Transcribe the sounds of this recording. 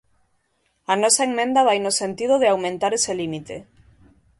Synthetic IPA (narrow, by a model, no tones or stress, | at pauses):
ɐnɔsaeŋmẽnd̪aβ̞ajnosent̪ið̞oðeawmẽnt̪aɾeselimit̪e